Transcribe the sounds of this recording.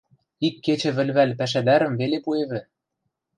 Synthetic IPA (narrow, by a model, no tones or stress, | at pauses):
ikːet͡ɕɘ̆βɘ̆lʲβælʲpæʃ̬æd̪æɾə̆mvelepueβɘ̆